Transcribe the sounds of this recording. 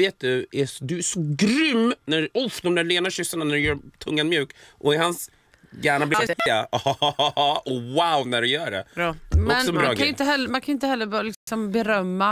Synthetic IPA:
eːt̪̚d̪ɵæd̪ɵæʂɔɡɾʏmːnæʊfd̪ɔmnæɖleːnaɕʏsːaɳanæɖɵjœːɾt̪ʰɵŋːanmjʉ̟ːkʔɔɪhans | jæːɳablɪɛɪɡa̰ | ɔwaʊnæɖɵjœːɖɛ̰mɔɛksɔɛmbɾɑːɡɾaɪt̪əɦɛlːəmankʰanʊɪnt̪əhɛlːəblɪksɔmbɛɾœmːa

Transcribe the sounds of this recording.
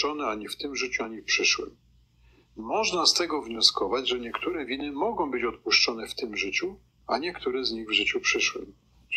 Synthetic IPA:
ɔnɛaɲɛft̪ɘmʐɘt͡ɕuaɲɛfpʂɘʂwɘ̰m | mɔʐnast̪ɛɡɔvɲɔskɔvad͡ʑʐɛɲɛkt̪uɾɛvʲinɘmɔɡɔ̃w̃bɘt͡ɕɔt̪̚puʂt͡ʂɔn̪ɛft̪ɘmʐɘt͡ɕu | a̰ɲɛkt̪uɾɛzɲiɣvʐɘt͡ɕupʂɘʂwɘ̰m

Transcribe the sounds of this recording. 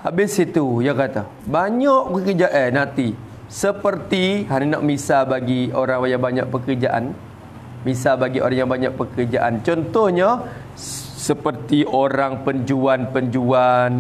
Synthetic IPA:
habɪsit̪ujakat̪a | baɲaʔpəkərd͡ʒaʔənãt̪i | səpərt̪iɦanina̰ʔmisabaɡioɾaŋwajabaɲa̰ʔpəkərd͡ʒaʔa̰n | misabaɡiʔo̰ɾaŋjaŋbaɲaʔpəkərd͡ʒaʔant͡ʃɔnt̪ɔhɲa | səpərt̪iʔoɾaŋpəɲd͡ʒuanpəɲd͡ʒuan

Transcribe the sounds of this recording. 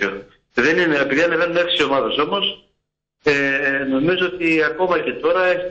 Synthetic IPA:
eo | ðe̞nineːpiðiɐnevenuneki̥sio̞mɐðɐso̞mo̞s | eno̞mizoot̪iɐko̞mɐce̞t̪o̞ɾɐeç

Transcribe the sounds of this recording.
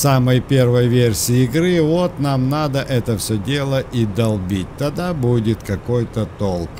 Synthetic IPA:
saməjpʲe̞rvəjvʲersʲɪɪɪɡɾɨvot̪namnad̪əʔɛt̪əfsʲɵdʲe̞lˠəʔid̪ɐlˠbʲit̚ʲt̪ɐd̪abudʲɪt̪kɐkojt̪ət̪olˠk

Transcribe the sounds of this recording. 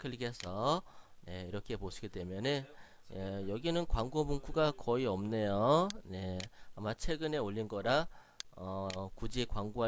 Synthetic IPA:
kʰɯɭɡesʰʌ | ne̞iɾʌkʰe̞poɕʰi̥ɡedwe̞mjʌnɯn | ejʌɡinɯnkwaŋɡomuŋkʰuɡakʌiʌmne̞jone̞amat͡ɕʰwe̞ɡɯneoʎːinɡʌɾa | ʌkud͡ʑikwaŋɡoɦa

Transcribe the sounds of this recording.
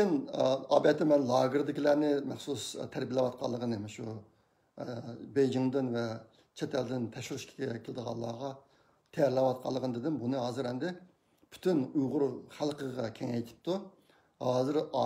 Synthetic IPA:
ɪnɑːbɛt̪ʰɪmɛnlˠɑːɡɪɾd̪ɪkʲʰilæːnɪmæχsust̪ʰæɾbilɛwɑt̪̚qʰɑlˠːəʁənɨmɛʃu | bejd͡ʒɪŋd̪ɨnvɛ | t͡ʃʰɛt̪ʰɛld̪ɪnt̪ʰɛʃyɾyʃkʲʰi̥ɡʲɛkʲʰɪlɪd̪əʁɑ̰lˠːɑ̰ːʁɑ | t̪ʰɛjɾlɑwɑt̪̚qʰɑlˠːəʁənd̪ɪd̪ɪmbunɨɦɑːzɨɾɛmnd̪ɪ | pʰy̥t̪ʰynujʁʊɾχælˠqəʁɑkʲʰɛŋɛjt̪ʰɪ̥p̚t̪u | hɑːzɨɾ

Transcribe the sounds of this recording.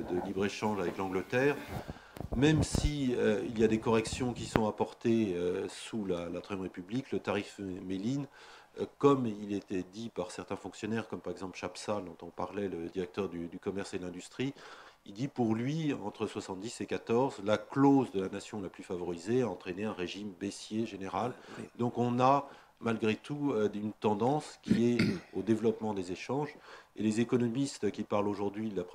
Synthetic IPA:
d̪əlibʁeʃɑ̃ʒavɛklɑ̃ɡlət̪ɛːʁ | mɛmsiøiljad̪ekɔʁɛksjɔ̃kʲisɔ̃apɔʁt̪eøsulalat̪ʁɛmʁepybliklət̪aʁifmelin | kɔmilet̪ɛd̪ipaʁsɛʁt̪ɛ̃fɔ̃ksjɔnɛʁkɔmpaʁɛɡzɑ̃plʃapsald̪ɔ̃t̪ɔ̃paʁlɛləd̪iʁɛk̚t̪œʁd̪yd̪ykɔmɛʁsed̪əlɛ̃d̪yst̪χiild̪ipuʁlɥiɑ̃t̪χəswasɑ̃t̪̚d̪isekat̪ɔʁzlaklozd̪əlanasjɔ̃laplyfavɔʁizeaɑ̃t̪χeneɛ̃ʁeʒimbesjeʒeneʁald̪ɔ̃kɔ̃na | malɡʁet̪uøynt̪ɑ̃d̪ɑ̃skʲiɛod̪evlɔpmɑ̃d̪ezeʃɑ̃ʒelezekɔnɔmist̪kʲipaʁloʒuʁd̪ɥiap

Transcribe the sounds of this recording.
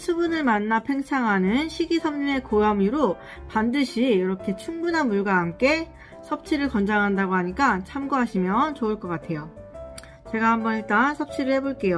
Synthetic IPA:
sʰubunɯɭmanːapʰe̞ŋt͡ɕʰaŋɦanɯnɕʰiɡisʰʌmɲine̞koamiɾo | pandɯɕʰijiɾʌkʰe̞t͡ɕʰuŋbunɦanmuɭɡwaɦamk͈e̞ | sʰʌp̚t͡ɕʰiɾɯɭkʌnd͡ʑaŋɦandaɡoɦaɲik͈at͡ɕʰamɡoɦaɕʰimjʌnt͡ɕoɯɭk͈ʌk͈atʰe̞jo | t͡ɕe̞ɡahambʌnit͈ansʰʌp̚t͡ɕʰiɾɯɭhe̞boɭk͈e̞jo

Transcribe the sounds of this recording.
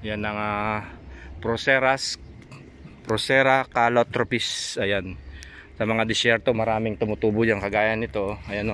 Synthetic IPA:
janɐŋa | pɾosɛɾas | pɾosɛɾɐkaːlot̪ɾopisɐjan | sɐmɐŋad̪ɪsɛɾt̪o̞mɐɾaːmɪŋt̪ʊmʊt̪uːbʊjɐŋkɐɡaːjɐnːɪt̪o̞ɐjɐno

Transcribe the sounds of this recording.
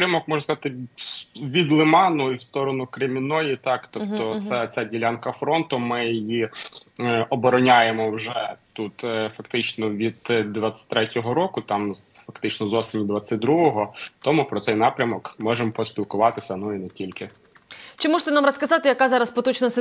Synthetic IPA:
pɾʲɐmɔkmɔʒnɐskɐzɑt̪ɪ | ʋʲid̪lˠɪmɑnʊiwst̪ɔɾɔnʊkɾemʲinɔjit̪ɑkt̪ɔpt̪ɔt̪sɛt͡sʲadʲilʲankɐfɾɔnt̪ʊmɪjji | ʔɔbɔɾɔnʲajemɔwʒɛt̪ut̪fɐkt̪ɪt͡ʃnɔʋʲid̪̚ʋat͡sʲːɐ̥t̚ʲt̪ɾɛtʲɔɦɔɾɔkʊt̪ɑmzfɐkt̪ɪt͡ʃnɔzɔsʲɪnʲid̪ʋat͡sʲɐt̚ʲd̪ɾuɦɔɦɔt̪ɔmupɾɔtsɛjnɑpɾʲɐmɔkmɔʒempɔsʲpʲilˠkʊʋɑt̪ɪsʲɐnuinɛtʲilʲkɪ | t͡ʃɪmɔʒt̪ɛnamrɐskɐzɑt̪ɪjɐkazɑɾɐspɔt̪ɔt͡ʃnɐs

